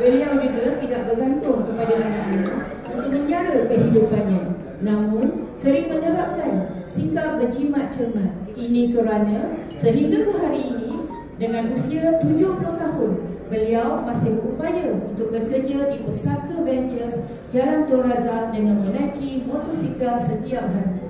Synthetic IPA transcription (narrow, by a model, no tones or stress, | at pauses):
bəliawd͡ʒuɡat̪idaʔ̚bərɡant̪ʊŋkəpadaʔanãʔɲã | unt̪ʊk̚mə̃ɲd͡ʒaɾəkəɦidupanɲã | nãmʊ̃nsəɾiŋməɲəbap̚kansiŋkap̚ɡəd͡ʒimat̪̚t͡ʃŋat̪inĩkəɾanə̃səɦiŋɡakəɦaɾiːnĩ | dəŋãnʔusiat̪ud͡ʒʊhpulʊht̪aɦʊnbəliawmãsɪhbəɾupajaunt̪ʊk̚bərkərd͡ʒadipəsakəbɛnd͡ʒəs | d͡ʒalant̪uanrazaldəŋãnmənakimõt̪osikalsət̪iap̚ɦaɾi